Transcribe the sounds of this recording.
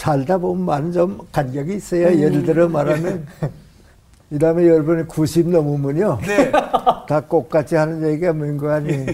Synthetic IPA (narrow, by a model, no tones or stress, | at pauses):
sʰaɭdabomɯnmanɯnd͡ʑʌmkanɡjaɡiːs͈ʌjajedɭdɯɾʌmaɾamjʌn | idamejʌɾbɯnikuɕʰimnʌmumɯnjo | tak͈ok̚k͈at͡ɕʰihanɯnjeɡiamɯinɡɯani